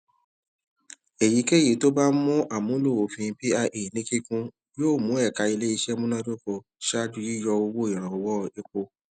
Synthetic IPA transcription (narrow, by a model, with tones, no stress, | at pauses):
e˨ji˨˦ke˦˨i˨˦to˦ba˦mũ˦ʔa˦˨mũ˨˦lo˦˨o˨fĩ˧bi˦a˧ʔe˨nĩ˦ki˦kũ˦ | joː˦˨mũ˨˦ɛ˦˨ka˧i˧le˦i˧ʃɛ˦mũ˦nã˦do˦ko˧ | ʃa˦du˧˦ji˦jɔ˧o˧wo˦i˦˨ɾ̃ã˨ɔ˨wɔ˦e˧k͡po˧